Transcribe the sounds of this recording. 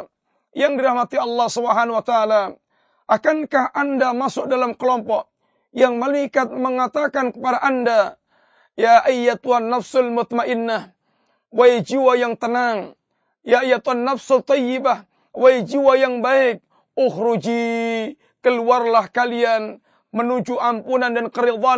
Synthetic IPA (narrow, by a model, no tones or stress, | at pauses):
jaŋdiɾahmat̪iɑlːɑhsubəɦanwat̪aːla | ʔakankahʔandamasʊk̚dalamkəlɔmpɔʔ | jaŋmalaikat̪̚məŋat̪akankəpadaʔanda | jaʔəjːat̪uɦanːafsʊlmʊt̪maʔɪnːah | waid͡ʒiwajaŋt̪ənaŋ | jaəjːat̪uɦanːafsʊlt̪ˤːɔjɪbah | waid͡ʒiwajaŋbaɪk̚ | ʊhɾud͡ʒi | kəluarlahkalian | mənud͡ʒuʔampunandankəɾid̪ˤa